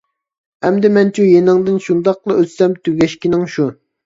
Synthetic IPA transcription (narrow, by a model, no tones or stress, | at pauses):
ɛmd̪ɪmɛnt͡ʃʰujenɪŋd̪ɨnʃund̪ɑqlˠɨøt̪sɛmt̪ʰyɡʲɛʃkʲinɪŋʃu